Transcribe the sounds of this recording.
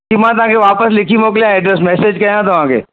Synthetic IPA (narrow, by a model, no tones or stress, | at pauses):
imãt̪ɐʋ̤ãːkʰeʋaːpəslɪkʰimoːk̬lijãɛɖɾɛsmɛːseːd͡ʑkɐjãt̪ɐʋ̤ãːkʰḛː